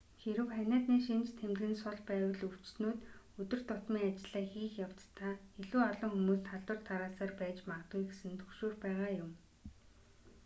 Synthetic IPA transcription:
xeɾɘ̆wχænʲaːt̪niːʃint͡ɕt̪ʰemt̪ɣɘ̆nsʊɮpæːwə̆ɮɵw̥t͡ɕsnoːt̪ | ɵt̪ɵ̆r̥t̪ʊt̪miːŋat͡ɕɪ̆ɮ̥aːxiːxjaw̥t̪t̪ʰːaːeɮuːɔɮɞ̆ŋxumuːst̪ʰaɮtə̆r̥t̪ʰaɾaːsaːrpæːt͡ɕmaʁt̪ɡujɡesɘ̆nt̪ʰɵ̥xʃoːrpæːʁaːjʊm

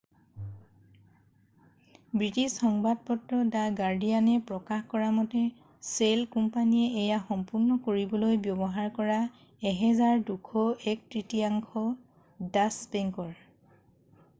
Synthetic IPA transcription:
bɹitisxɔŋbad̚pɔtɹɔdaɡaɹdijanɛpɹɔkaxkɔɹamɔtɛ | selkumpanijɛːjaxɔmpuɹnɔkoɹibɔlojbjɔbɔɦaɹkɔɹa | ɛɦɛzaɹdukʰɔɛk̚tɹitiaŋkʰɔ | dasbɛŋkɔɹ

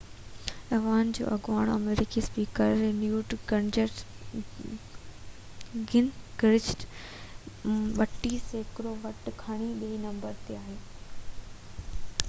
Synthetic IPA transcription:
ɐʋaːnd͡ʑo̰ːʔɐɡʋaːɽ̃ɐ̰meːɾɪkispiːkəɾːenjuːʈɡɐɳd͡ʑeʈ | ɡɪnɡɾɪd͡ʑʈ | ɓɐʈiseːkɾoʋɐʈkʰɐɽ̃iɓiinɐ̃mbəɾt̪eaːɦeː

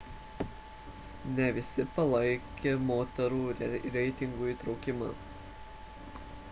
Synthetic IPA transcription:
nʲɛʋʲɪsʲɪpɐlˠɐɪkʲeːmoːt̪ɐɾuːɾʲɛɪt̪ʲɪŋɡuːiːt̪ɾɒʊkʲɪmɐ̰ː

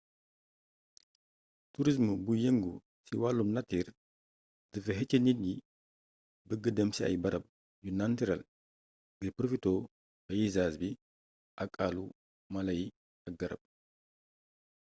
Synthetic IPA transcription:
tuɾis̬mubujeŋɡu | siwalumnɐtir | d̥əfɐɦɛt͡ʃːəninji | bəɡədɐmsiɐ̰jbɐɾɐb̚ | ɟunantiɾɐl | ɡəpɾofitoː | bɐjizasbi | ʔɐkʼːalu | mɐlɐji | ɐk̚ɡɐɾɐ̰b̚

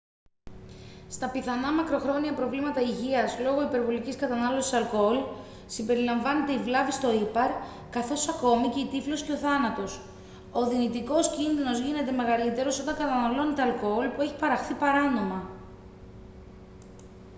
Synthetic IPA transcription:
st̪ɐpiθɐnɐmɐkɾo̞xɾo̞niɐpɾo̞vlimɐt̪ɐiʝiɐzlo̞ɣo̞ipe̞ɾvo̞liciskɐt̪ɐnɐlo̞si̥sɐlkool | simbe̞ɾilɐɱvɐne̞t̪e̞ivlɐvist̪o̞ipɐɾ | kɐθo̞sɐko̞mice̞it̪iflo̞sce̞o̞θɐnɐt̪o̞s | o̞ðinit̪iko̞scinðino̞zʝine̞t̪e̞me̞ɣɐlit̪e̞ɾo̞so̞t̪ɐŋkɐt̪ɐnɐlo̞net̪e̞ɐlkoolpue̞çi̥pɐɾɐxθipɐɾɐno̞mɐ

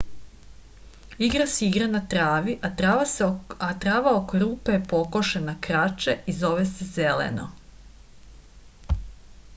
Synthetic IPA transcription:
iɡɾasiiɡɾanat̪ɾaːʋiʔaaat̪ɾaːʋaokoɾuːpepo̞koʃenakɾat͡ʃeizo̞ʋesezelḛno̰

